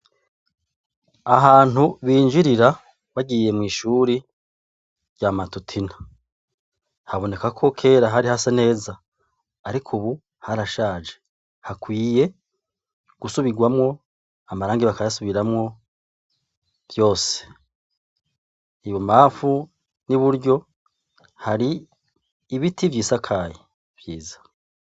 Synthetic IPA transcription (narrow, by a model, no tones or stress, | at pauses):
aɦaːn̥uβiːnd͡ʒiɾiɾa | βaɟiːje̞mŋiːʃuːɾi | ɾɟamatutʰinḁ | haβo̞ne̞kakʰo̞kʰe̞ːɾaɦaɾihasene̞ːzaː | ɾikʰuβu | haɾaʃaːd͡ʒe | hakwiːje̞ | ɡ̥usuβiɡwamŋo̞ | amaɾaːŋɡiβakajasuβiɾamŋo̞ | v̥jo̞ːse̥ | iβomaːfu | niβuɾɟo̞ | haɾiː | βitivjiːsakʰaːje | v̥jiːzḁ